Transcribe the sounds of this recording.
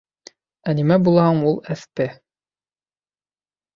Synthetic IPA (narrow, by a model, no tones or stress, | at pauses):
ænimæbulˠɑhɑɴulˠæθtɘ